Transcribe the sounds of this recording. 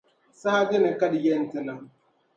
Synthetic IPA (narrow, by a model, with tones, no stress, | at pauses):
saː˦de˦na˨ka˦djɛ˦n˦ti˨na˦